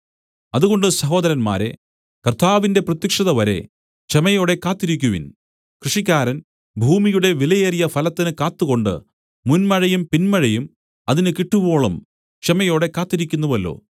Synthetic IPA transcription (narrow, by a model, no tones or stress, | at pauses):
ɐðuɣo̞ɳɖɨsɐɦo̞ːd̪ɐɾɐnma̰ːɾe̞̰ | kɐrt̪ʰaːʋinde̞prɐt̪jɐkʂɐðɐʋɐɾe̞̰ | t͡ɕemɐjo̞ːɽe̞kaːt̪ːiɾikʲːuʋḭn | krɨʂikʲːaːɾɐn | bʱuːmijuɽe̞ʋilɐjeːrijɐfɐlɐt̪ːinɨkaːt̪ːuɣo̞ɳɖɨ̰ | munmɐɻɐjumpinmɐɻɐjum | ɐðinɨkiʈːubo̞ːɭɐm | t͡ɕemɐjo̞ːɽe̞kːaːt̪ːiɾikʲːunːuʋɐlːo̰ː